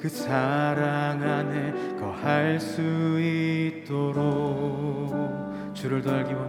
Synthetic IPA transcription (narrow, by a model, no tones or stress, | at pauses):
kɯsʰaɾaŋanekʌhaɭs͈uit̚t͈oɾo | t͡ɕuɾɯɭdoaɭɡibo